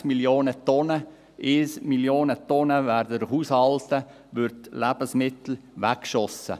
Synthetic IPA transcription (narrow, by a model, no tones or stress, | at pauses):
miljoːnət̪ɔnə | ʔɪsmiljoːnət̪ɔnəvæːɾdədəɦuːshɑlt̪ə | ʋʏɾtlæb̥əsmɪt̪l̩ʋækʃɔsə̰